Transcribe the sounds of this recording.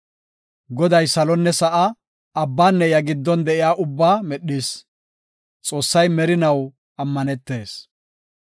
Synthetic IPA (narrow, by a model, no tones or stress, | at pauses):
ɡɔd̪ɐjsɐlɔnːɛsɐʔɐ | ɐbːaːnːɛjɐɡɪd̪ːɔnd̪ɛʔɪjaːʔʊbːaːmɛɗis | t͡sʼo̞ːsːɐjmɛɾɪnɐw | ɐmːɐnɛt̪ːe̞ːs